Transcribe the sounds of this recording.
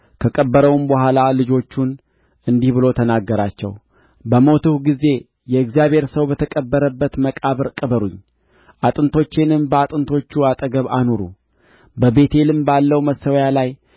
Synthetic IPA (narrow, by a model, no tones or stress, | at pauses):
kʰəkʼəbːəɾəwmbəɦʷalalɨd͡ʒo̞t͡ʃːun | ɨnd̪ihbɨlo̞t̪ʰənaɡːəɾat͡ʃːɛ̰w | bəmo̞t̪ʰɨhɡize̞ | jɛɨɡzjaβhe̞ɾsəwbət̪ʰəkʼəbːəɾəbːət̪məkʼaβɨɾkʼəbəɾuɲː | ʔat̪ʼɨnt̪ʰo̞t͡ʃːenɨmbəat̪ʼɨnt̪ʰo̞t͡ʃːuat̪ʼəɡəβanoɾṵ | bəbe̞t̪ʰe̞lɨmbalːəwməsəwjalaj